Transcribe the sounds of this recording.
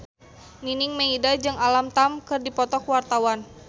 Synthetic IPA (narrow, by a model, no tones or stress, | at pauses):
ninɪŋmeidad͡ʒɨŋalamt̪amkɨrdipɔt̪ɔkwart̪awan